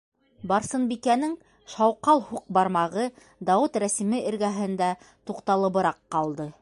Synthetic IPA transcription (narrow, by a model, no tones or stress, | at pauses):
bɑɾsɤ̆nbikænɘŋ | ʃɑwqɑlˠhuq̚bɑɾmɑʁɤ | d̪ɑwɘt̪ɾæsimɘʔɘ̆ɾɡæɦɘ̆nd̪æ | t̪uqt̪ɑlˠɤ̆βɤ̆ɾɑqːɑlˠd̪ɤ